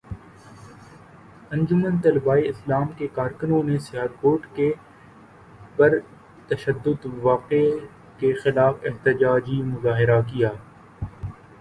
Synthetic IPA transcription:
ɐ̃ɲd͡ʒʊmənt̪ɐlbaːiɪslaːmkekaːɾkʊnõnesɪəɾkoːʈke | bɐɾ | t̪ɐʃəd̪ːʊd̪ʋaːqe | kexɪlaːfɪɦt̪ɪd͡ʒaːd͡ʒimʊzaːɦɪɾak̬ijaː

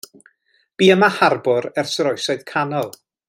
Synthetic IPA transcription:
b̥iːəmaharbɔɾɛrsəɾɔjsɔɨð̥kʰanɔlˠ

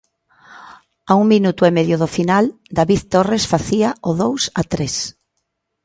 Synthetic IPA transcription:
auŋminut̪ʊemeðjʊðofinal | d̪aβiðt̪oresfaθiaoðowsat̪ɾes

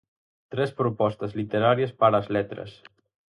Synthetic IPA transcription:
t̪ɾɛspɾupɔst̪əzlit̪eɾaɾiəspaɾazlɛt̪ɾə̰s

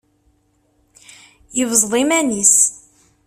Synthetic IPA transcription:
jəvzˤðˤimænis

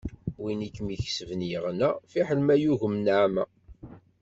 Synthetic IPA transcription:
winikːmiçsəvnjəʁnæfiħəlmæjuʝəmnʕmæ

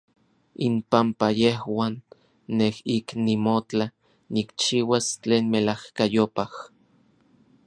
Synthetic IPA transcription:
impampajehwaːnː | ehiknimot͡ɬa | nikt͡ʃiːwast͡ɬeːnmelahkajopah

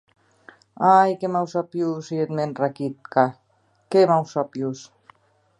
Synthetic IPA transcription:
ajkemawsapjusiet̪menrakit̪ka | kemawsapjus

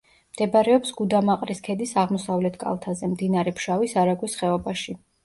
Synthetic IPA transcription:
md̪̥ɛbaɾɛɔpsɡ̥ud̪amaqʼɾiskʰɛd̪isaʁmɔsavlɛt̪ʰkʼa̰lˠt̪ʰazɛmd̪inaɾɛpʰʃavisaɾaɡwisχɛɔbaʃi

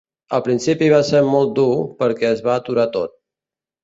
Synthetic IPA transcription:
əlˠpɾinsipiβ̞aseɾmɔlˠt̪̚d̪upəɾkɛəzβaət̪uɾat̪ot̪̚

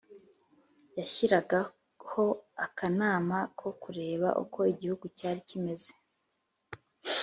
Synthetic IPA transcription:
jaçiɾaɡa | hoakʰanaːmakʰo̞kuɾe̞ːβa̰ʔṵkʰo̞iɟihuɡucaːɾicime̞ze

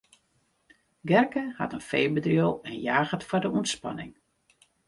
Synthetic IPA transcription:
ɡɛrkəha̰tənfejbədriəlˠɛnjaːɣətfɔrdəunspa̰nɪ̰ŋ

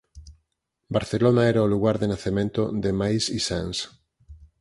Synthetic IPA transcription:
baɾθelonaɛɾaoluɣaɾðenaθemẽnt̪oðemajsisans

